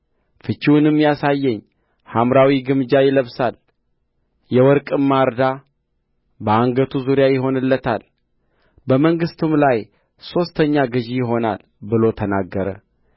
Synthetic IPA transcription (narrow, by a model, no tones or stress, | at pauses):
fɨt͡ʃːiwʊnɨmːjasajːɛɲː | hamɾawiɡɨmd͡ʒajɪləβsal | jɛwɔɾkʼɨmːaɾd̪a | bəaŋɡət̪ʰuzuɾjajɪɦo̞nɨlːət̪ʰa̰l | bəməŋɡɨst̪ʰumlaj | so̞st̪ʰəɲːaɡɨʒijɪɦo̞na̰l | bɨlo̞t̪ʰənaɡːəɾə̰